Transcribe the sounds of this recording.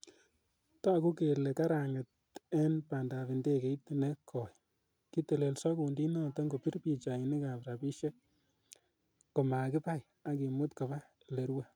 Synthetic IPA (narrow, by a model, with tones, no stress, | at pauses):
ta˦˨ku˦ke˨le˨ka˦ɾa˨ŋe˨t | ɛ˦npa˨nda˨βi˨nde˦ke˨i˦tne˦kʰɔ˨j | ki˦te˨le˨lsɔ˦ku˨ndi˦nɔ˦tɔ˦ŋɡo˨pi˦ɾpi˨t͡ʃa˨i˨ni˦ka˨pɾa˨pi˦ʃe˦ | ko˨ma˨kɪ˦pa˦j | a˦ki˨mʊ˦tka˨ba˦ | le˨ɾwa˦